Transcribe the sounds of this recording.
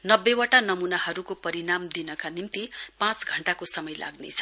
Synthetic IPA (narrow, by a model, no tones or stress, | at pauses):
nʌbːewaʈanʌmunahʌɾukopʌɾinamd̪inʌkanimt̪ipãt͡sɡʱʌɳʈakosʌmʌjlʔa̰ɡnḛt͡sʰʌ̥